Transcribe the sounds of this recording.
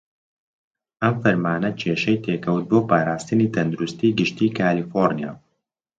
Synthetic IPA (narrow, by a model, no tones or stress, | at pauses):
ʔɐmfɐɾmaːnɐt͡ʃʰeːʃɐjt̪ʰeːkɐwt̪̚boːpaːɾaːst̪ɨniːt̪ʰɐnd̪uɾust̪iːɡɨʃt̪iːkʰaːlifoɾnija̰ː